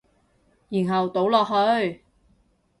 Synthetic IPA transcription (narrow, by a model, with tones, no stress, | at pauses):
jiː˨˩nɦɐ˨wt̪o˨˥wlɔː˨k̚ɦɵ˧ɥ